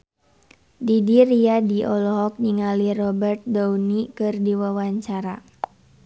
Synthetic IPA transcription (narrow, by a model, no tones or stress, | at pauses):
didiriadiʔɔlɔɦɔk̚niŋalirɔbɛrt̪̚daunikɨrdiwawaɲt͡ʃaɾa